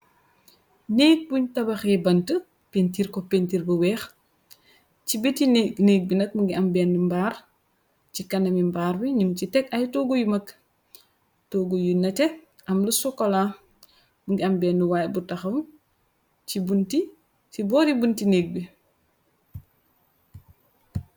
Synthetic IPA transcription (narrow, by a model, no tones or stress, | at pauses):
neːk̚buɲtɐbɐxɛbɐntə | pentiɾkɔpentiɾbɐwɛːx | t͡ʃibitinneːk̚binɐk̚muŋɡiɐmbɛːnːimbaːr | cikɐnɐmimbaːɾbiɲimcitɛkɐjtɔɡujumɐk | toːɡujunːɐtɛ | ɐmlusɔkːɔla | muŋɡiɐmbɛːnːiwaːjbutɐxɐm | t͡ʃibunti | t͡ʃibɔːɾibuntineːk̚bi